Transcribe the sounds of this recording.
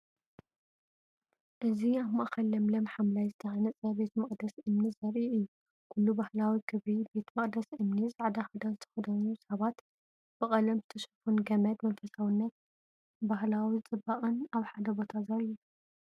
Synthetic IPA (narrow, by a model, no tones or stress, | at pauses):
ʔɨziaβmaʔkɐlːɐmlɐmħamlajzɨt̪ʰɐʕanɐt͡sʼɐbe̞t̪mɐχʼd̪ɐsʔɨmnizɐɾʔiɨjːu | kʰulːubahlawikʰɨβibe̞t̪mɐqʼd̪ɐsʔɨmnizaʕd̪axɐd̪azɨt̪ʰɐ̥xɐd̪ɐnusɐβat̪ | b̥ɨkʼɐlɐmzɨt̪ʰɐʃɐ̥funɡɐmɐd̪mɐnfɐsawinːɐt̪̚ | baɦlawit͡sʼɨbːaχʼɨnaβħad̪ɐbo̞t̪ʰazɐɾiu